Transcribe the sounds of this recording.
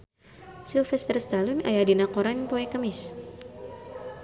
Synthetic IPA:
silfɛst̪ərst̪alunajadinakoɾanpoɛkəmɪs

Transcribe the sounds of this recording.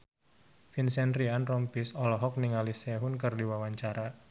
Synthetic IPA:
finsɛnrianrɔmpisɔlɔɦɔk̚niŋalisɛɦʊnkɨrdiwawaɲt͡ʃaɾa

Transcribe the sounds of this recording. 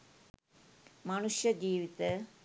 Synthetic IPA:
mɐnuʂjɐd͡ʒiːʋit̪e

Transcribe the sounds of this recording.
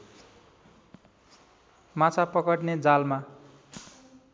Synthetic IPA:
mat͡sʰapʌkʌʈned͡zalma

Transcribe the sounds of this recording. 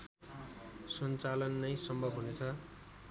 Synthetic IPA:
sʌnt͡salʌnːʌjsʌmbʱʌbɦunet͡sʰʌ

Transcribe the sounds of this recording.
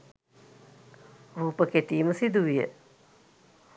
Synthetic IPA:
ɾuːpəkeʈiːməsid̪uʋijə̰

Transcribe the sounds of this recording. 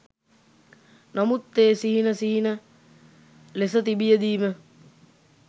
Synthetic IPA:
namut̪ːeːsiɦinəsiɦinə | lesət̪ibijəd̪iːmə

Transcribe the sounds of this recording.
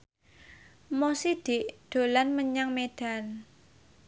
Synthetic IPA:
mosid̪̥ɪʔd̪̥o̤lanməɲaŋmed̥a̤n

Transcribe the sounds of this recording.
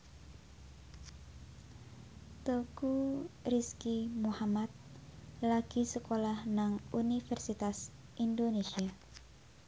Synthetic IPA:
t̪okuriskimuhamat̪̚laɡ̥isəkolahnaŋunifɛrsit̪as | ʔindonesia

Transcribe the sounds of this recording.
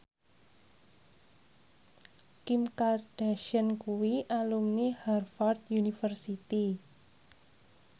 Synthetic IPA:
kimkard̥aʃənkuwiʔalumniharfɔrt̪̚junifərsit̪i

